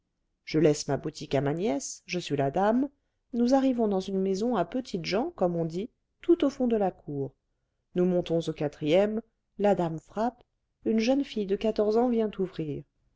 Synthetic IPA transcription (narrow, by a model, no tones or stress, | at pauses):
ʒ̥əlɛsmabut̪ʰikamanjɛsʒəsɥilad̪am | nuzaʁivɔ̃d̪ɑ̃zynmezɔ̃apət̪ʰit̪ʒɑ̃kɔmɔ̃d̪i | t̪ut̪ofɔ̃d̪əlakʰuːʁ | numɔ̃t̪ɔ̃zokat̪χijɛm | lad̪amfχap | ynʒənfijd̪əkat̪ɔʁzɑ̃vjɛ̃t̪uvʁiːʁ